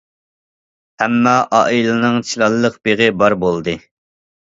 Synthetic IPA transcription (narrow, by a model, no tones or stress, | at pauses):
hɛmːɑʔɑʔilˠɨnɨŋt͡ʃʰilˠɑlˠːəqb̥eʁɪbɑɾbolˠd̪ɨ